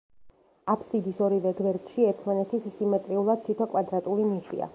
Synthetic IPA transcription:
apʰsid̪isɔɾivɛɡvɛɾd̪ʃiɛt̪ʰmanɛt̪ʰissːimɛt̪ʼɾiulˠad̪̚t̪ʰːit̪ʰɔkʼwad̪ɾat̪ʼulimiʃḭa̰

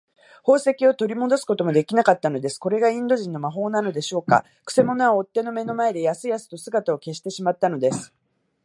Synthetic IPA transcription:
ho̞ːse̞kʲio̞t̪o̞ɾʲimo̞d̪o̞sɨ̥ko̞t̪o̞mo̞d̪e̞kʲinakat̪ːano̞d̪e̞sɨ̥ko̞ɾe̞ɡaĩnd̪o̞ʑĩnːo̞maɦo̞ːnano̞d̪e̞ɕo̞ːka̰ | kɯ̟̥se̞mo̞noβaot̪ːe̞no̞me̞no̞mae̞d̪e̞jasɨjasɨ̥t̪o̞sɨɡat̪ao̞ke̞ɕ̬i̥t̪e̞ɕimat̪ːano̞d̪e̞sɨ̥

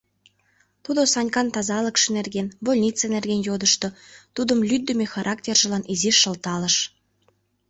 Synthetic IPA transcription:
t̪ud̪osɑnʲkɑnt̪ɑzɑləkʃenerɣenbolʲnʲit͡senerɣenjod̪əʃt̪ot̪ud̪əmlyd̪ːəmexɑɾʔɑk̚tʲerʒə̆lɑniziʃːə̆lt̪ɑləʃ

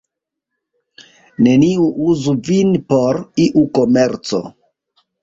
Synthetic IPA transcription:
ne̞niuʔuzuvinpo̞ɾiʔuko̞me̞ɾt͡so̞̰

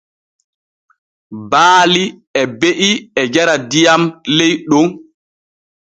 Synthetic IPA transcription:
baːliɛbeʔiɛd͡ʒɛɾadijamlejɗɔn

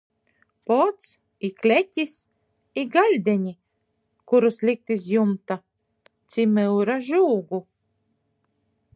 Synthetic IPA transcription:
pɔt̪s | iklʲekʲis | iɡalʲd̪ʲɛɲʲi | kuɾuslʲik̚t̪izjumt̪a | t̪sʲimɨwɾaʒuːɡu

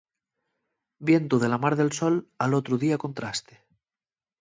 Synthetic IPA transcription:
bje̞nt̪uð̞e̞lamaɾðe̞lsolalot̪ɾuðiako̞nt̪ɾast̪e̥

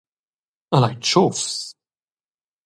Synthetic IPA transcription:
əlaɪt͡ʃʰɔfs

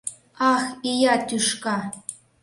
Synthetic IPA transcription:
ɑxijɑt̪ʲyʃkɑ

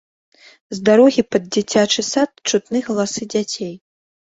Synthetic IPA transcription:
zd̪aɾɔɣʲipɐd̪̚d͡zʲit͡sʲat͡ʂɨsat̪̚t͡ʂut̪nɨɣɐlˠasɨd͡zʲat͡sʲej

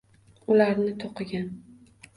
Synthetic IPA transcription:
ʊlaɾnɪt̪ʰoqɨɡʲan

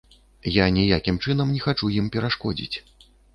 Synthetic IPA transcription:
janʲijakʲimt͡ʂɨnɐmnʲixat͡ʂujimpʲɛɾaʂkɔd͡zʲḭt͡sʲ

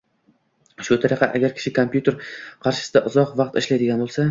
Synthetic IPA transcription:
ʃʊt̪ʰaɾɪqɑʔaɡʲaɾkʲʰɪ̥ʃɪkʰompʲjut̪e̞ɾqʰɑɾʃɪ̥sɪd̪aʔʊzɒqvɑqt̪ɪʃlajd̪ɪɡʲanbolˠsa

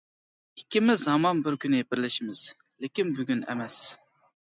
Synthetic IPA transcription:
ikʲimɪzɑmɑnbɪɾkʲynɪbɪɾlɪʃimɪz̥ | lɪkʲinbyɡʲynɛ̰mɛs

